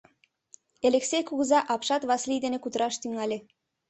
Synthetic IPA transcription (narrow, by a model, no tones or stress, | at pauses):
eleksejkuɣəzɑʔɑpʃɑt̪βɑslijd̪enekut̪əɾɑʃt̪yŋɑlʲe